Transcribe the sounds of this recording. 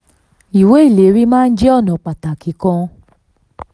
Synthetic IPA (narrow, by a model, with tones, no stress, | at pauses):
i˨we˨˦i˦˨le˨˦ɾi˦mãː˦˧n̩˦d͡ʒɛ˦ɔ˦˨nɔ̃˨k͡pa˨ta˨ki˨˦kɔ̃˧